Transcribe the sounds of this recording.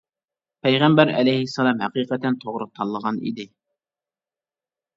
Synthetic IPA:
pʰɛjʁæmbæɾɛ̰lɛjhɪsːɑlˠɑmhæqiːqət̪ɛnt̪ʰoʁɾʊt̪ʰɑlˠːəʁɑnḭd̪ɪ

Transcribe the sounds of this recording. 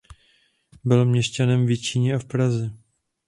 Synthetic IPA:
bɪlmɲɛʃcanɛmvjɛt͡ʃiɲɛafpɾazɛ

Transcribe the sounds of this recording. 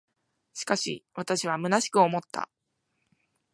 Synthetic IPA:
ɕi̥kaɕḭβat̪aɕiβ̞amɯ̟naɕi̥kɯ̟o̞mo̞t̪ːa̰

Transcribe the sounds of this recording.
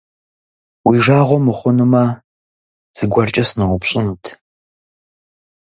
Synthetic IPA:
wiːʒaːʁʷɔmɨχʷʊnɨmɐ | z̥ɨɡʷɐrt͡ʃʼɐsnɨʁʷʊpɕʼɪnuːtʰ

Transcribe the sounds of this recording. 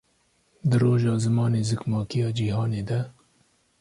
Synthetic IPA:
d̪ɨɾoːʒɑːzɨmɑːneːzɨkmɑːkijɑːd͡ʒiːhɑːneːd̪ɛ

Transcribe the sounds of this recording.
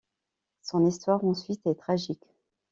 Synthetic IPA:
sɔ̃nist̪waʁɑ̃sɥit̪ɛt̪χaʒik

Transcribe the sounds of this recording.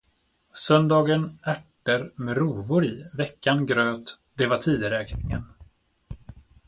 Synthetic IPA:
sœnd̪ɑːɡənæʈː | əɾmɛɾuːvʊɾivɛkːanɡɾøːt̪ | d̪̥ɛvaʈʰiːd̪əɾɛːknɪŋə̰n

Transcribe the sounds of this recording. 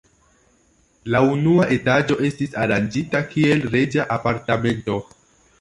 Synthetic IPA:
launuaʔe̞tad͡ʒo̞ʔe̞stisaɾand͡ʒitakie̞lɾe̞d͡ʒaʔapaɾtame̞nto̞

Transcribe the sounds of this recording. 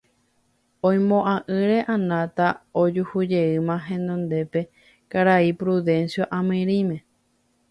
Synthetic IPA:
õj̃mõʔãʔɨɾe̞ʔãnãt̪aod͡ʒuhud͡ʒe̞ɨmãɦẽ̞nd̪õnd̪e̞pe̞ | kaɾaipɾuðẽ̞nsjoʔãmĩɾĩmẽ̞

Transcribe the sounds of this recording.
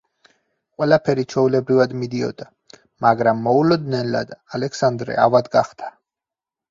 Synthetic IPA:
qʼwɛlapʰɛɾit͡ʃʰɛulɛbɾivad̪mid̪iɔ̰d̪a | maɡɾamːɔulɔd̪nɛnla̰d̪alɛksand̪ɾɛ̰avad̪ɡaχt̪ʰḁ

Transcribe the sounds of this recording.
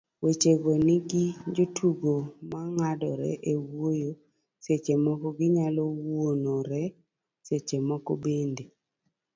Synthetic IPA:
wet͡ʃeɡoniɡid͡ʒotʰuɡomaŋadɔɾɛ̰ʔewojo | set͡ʃemɔkɔɡɪɲalɔwonoɾɛ | set͡ʃemɔkɔbende

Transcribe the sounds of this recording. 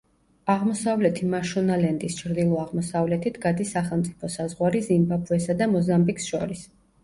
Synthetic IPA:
aʁmɔsavlɛt̪ʰimaʃɔnalɛnd̪ist͡ʃʰɾd̪ilˠɔaʁmɔsavlɛt̪ʰit̪ʰɡad̪isːaχɛlˠmt̪sʼipʰɔsazʁwaɾizimbapʰuɛsad̪amɔzambiksʃɔɾis

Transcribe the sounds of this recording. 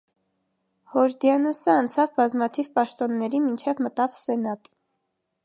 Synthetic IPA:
hɔɾd̪jɑnusəɑnt͡sʰɑvbɑzmɑt̪ʰivpɑʃt̪ɔnːɛɾimint͡ʃʰɛvmət̪ɑvsɛnɑt̪

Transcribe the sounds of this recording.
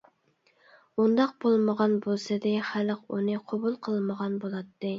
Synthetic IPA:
und̪ɑq̚b̥olˠməʁɑnbolˠsɨd̪ɪχælqṵnɨqʰobulˠqʰəlˠməʁɑnbolˠɑt̪ːɨ

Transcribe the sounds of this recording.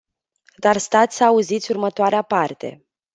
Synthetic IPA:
d̪arst̪at̪sʲsəauzit̪sʲurmət̪oaɾeapart̪e̞̰

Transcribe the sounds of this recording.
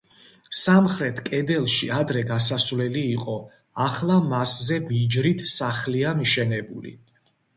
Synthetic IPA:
samχɾɛt̪ʰkʼɛd̪ɛlˠʃiad̪ɾɛɡasasvlɛliːqʼɔ | aχlˠamaszɛbid͡ʒɾit̪ʰsaχliamiʃɛnɛbulḭ

